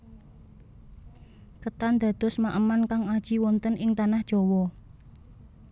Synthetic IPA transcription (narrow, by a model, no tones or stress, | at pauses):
kət̪and̪̥a̤d̪̥ɔ̤smaʔəmankaŋad̥ʒ̥i̤wɔnt̪ənɪŋt̪anahd̥ʒ̥ɔ̤wɔ